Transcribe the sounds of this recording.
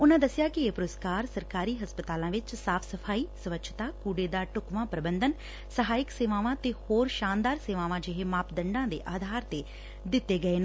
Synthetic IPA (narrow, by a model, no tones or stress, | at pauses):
ʊnãːd̪əsɪjaːkɪeːpʊɾʊskaːɾsəɾkaːɾiːɦəspət̪aːlãːʋɪt͡ʃsaːpʰsəpʰaːiːsəʋəkt͡ʃʰt̪aːkuːɖeːd̪aːʈʊkʋãːpɾəbənd̪ən | səɦaːɪkseːʋaːʋãːt̪eːhoːɾʃaːnd̪aːɾseːʋaːʋãːd͡ʒɪɦeːmaːpd̪əɳɖãːd̪ḛːʔaːd̪ʱaːɾt̪eː | d̪ɪt̪ːeːɡəeːnː